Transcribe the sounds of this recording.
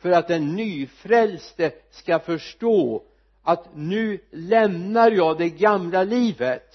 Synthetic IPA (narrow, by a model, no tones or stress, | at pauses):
fœɾat̪̚d̪ɛnːyːfɾɛlsd̪ə | skafœʂʈoː | ʔat̪nʉ̟ːlɛmnaɾjɑːd̪ɛɡamlaliːvət̪